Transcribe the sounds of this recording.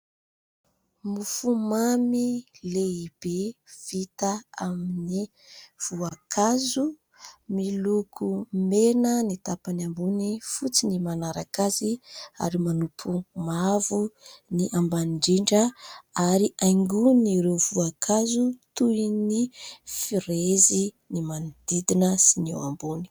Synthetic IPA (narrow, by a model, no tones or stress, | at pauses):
mufumamileib̥ev̥it̪aamini | v̥uakʰazu | milukʰumenənit̪apanambunifut͡sinimanaɾakazia̰ɾimanupʰumavuniʔambanɳɖ͡ʐiɳɖ͡ʐəaɾiʔajŋɡuniɾewv̥uakʰazut̪uinifiɾezi | nimanid̪̥id̪inəsinewa̰mbuni̥